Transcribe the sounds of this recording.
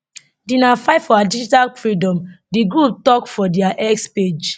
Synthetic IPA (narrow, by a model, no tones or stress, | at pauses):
dinafaɪfɔadid͡ʒitalfɹidɔ̃mdiɡɹup̚tɔkfɔdɛaʔɛksped͡ʒ